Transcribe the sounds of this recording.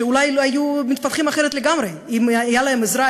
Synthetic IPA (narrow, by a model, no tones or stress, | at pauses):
ulajlhajumit̪fat̪χimaχeɾet̪leɡamɾeimajalahemezɾa